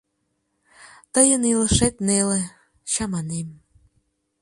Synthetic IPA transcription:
t̪əjəniləʃet̪̚nele | ɕɑmɑnem

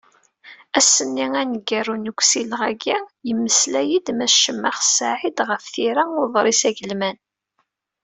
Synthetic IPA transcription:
æsːənːiænəɡːærunəɡʷsilʁæɡijəmːəslæjid̪mæʃəmːaχsaʕid̪ʁəfθiɾaʊðˤɾˤisæʝəlmæn

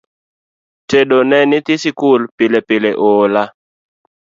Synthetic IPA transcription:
tedonɛnɪt̪ɪsikʊlpɪlepɪleʔola

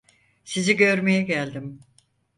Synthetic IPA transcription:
siziɟø̞ɾme̞jɛɟælʲd̪im

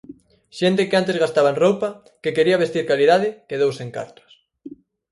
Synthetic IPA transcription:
ʃent̪ekeant̪ezɣast̪aβanrowpɐ | kekeɾiɐβ̞est̪iɾkaliðaðɪkeðowseŋka̰ɾt̪o̥s

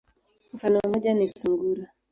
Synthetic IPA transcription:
m̩fanɔmɔd͡ʒanesuŋɡuɾa

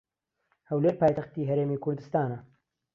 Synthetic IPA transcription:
hɛwleːɾpaːjt̪ɐxt̪iːɦɛɾeːmiːkʰʊɾd̪ɨst̪aːnɐ

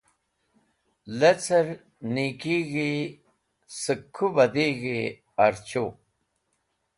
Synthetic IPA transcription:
let͡sɐɾ | nikiːɣi | sɨkʰːubɐd̪iːɣi | ɐɾt͡ɕo

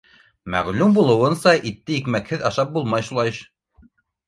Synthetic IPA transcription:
mæ̰ʁlʉmbulˠɤ̆wɤ̆nsɑʔit̪ːɘjikmækhɘðɑʃɑp̚bulˠmɑjʃulˠɑjɤʃ

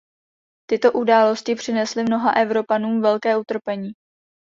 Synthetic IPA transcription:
t̪ɪt̪o̞ʔudaːlo̞scɪpr̝̥ɪnɛslɪmno̞ɦa̰ʔɛvɾo̞panuːmvɛlkɛːut̪r̩pɛɲiː

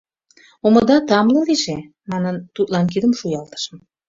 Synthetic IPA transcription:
oməd̪ɑt̪ɑmlɤ̆liʒe | mɑnənt̪ut̪lɑnkid̪əmʃujɑlt̪ə̥ʃə̆m

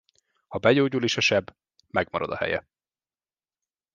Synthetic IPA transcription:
hɒbɛjoːɟuleːʃɒʃɛb | mɛɡmɒɾɒd̪ɒhɛ̰jɛ̰

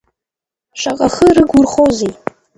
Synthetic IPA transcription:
ʃaqʼaχəɾɨɡurχozej

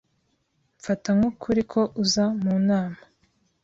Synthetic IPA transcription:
ɱfataŋukʰuɾikʰo̞ʔuzamuːnaːma

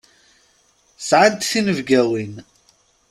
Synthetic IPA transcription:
sʕant̪θinəvɡæwin

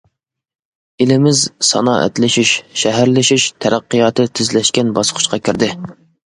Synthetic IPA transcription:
elɪmɪzsɑ̰nɑ̰ːʔɛ̰t̪lɪʃiʃʃɛɦæɾlɪʃiʃt̪ʰɛɾæqːɨjɑːt̪ʰɨt̪ʰɪzlɛʃkʲɛnbɑsqʰʊ̥ʃqʰɑkʲiɾd̪ɪ

